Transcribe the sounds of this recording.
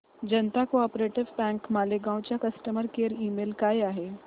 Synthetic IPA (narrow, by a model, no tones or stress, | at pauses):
d͡ʒɐnt̪akoɔːpɾeːʈɪʋbɛ̃ːŋkmaːleɡãːwt͡ʃakɐsʈəməɾkeːɾiːmeːlkaeaːɦeː